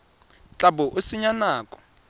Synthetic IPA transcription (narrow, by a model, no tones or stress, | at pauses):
t͡ɬʼabɔʔusiɲanaːkʼɔ̥